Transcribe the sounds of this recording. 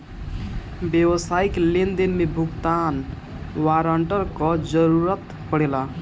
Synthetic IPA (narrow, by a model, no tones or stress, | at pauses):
bjewəsaiklend̪inmebʱuɡt̪an | waɾəɳʈəɾkɔd͡ʒəɾuɾət̪ | pəɽela